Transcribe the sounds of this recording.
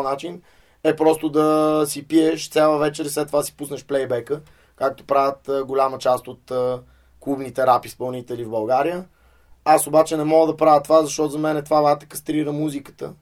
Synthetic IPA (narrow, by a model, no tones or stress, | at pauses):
nat͡ʃin | ɛpɾɔst̪od̪ɐsipiɛʃt̪sʲjalˠəvɛt͡ʃɛɾslɛt̪ːovasi̥pusnəʃplɛjbɛkə | kak̚t̪o̥pɾavʲət̪ːɡolʲamət͡ʃast̪ot̪ə | kˠubnit̪ɛɾapispɐlˠnit̪ɛlivbɐlˠɡaɾijə | asobat͡ʃɛnɛmɔɡəd̪ɐpɾavʲət̪ovazɐʃt̪ɔt̪ʊzɐmɛnɛt̪ovavat̪ə̥kəst̪ɾiɾəmuzikə̥t̪ə̰